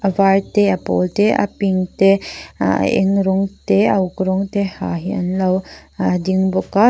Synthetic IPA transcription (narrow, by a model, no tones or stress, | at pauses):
ʋaɻt̪eɐpo̰lt̪eʔɐ̰piŋt̪e | ḛŋɾoŋɡt̪eɐwkɾoŋɡt̪ehaɦiɐ̰nlɐwd̪iŋboka